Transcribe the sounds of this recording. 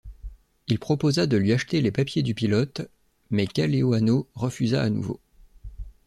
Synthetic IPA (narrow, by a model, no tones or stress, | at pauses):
ilpχɔpozad̪əlɥiaʃt̪elepapjed̪ypilɔt̪ | mɛkʲaleoanoʁəfyza̰ːnṵvo̰